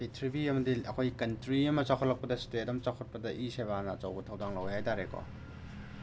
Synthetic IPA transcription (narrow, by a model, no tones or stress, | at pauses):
itʰɾibiɐmɐdiɐkʰojkɐntɾiɐmɐt͡ʃakʰotlɐk̚pɐdɐstetɐmt͡ʃakʰot̚pɐdɐʔiseβanɐːt͡ʃɐwɡɐtʰɐwdaŋlɐwjhajtaɾekɔ̰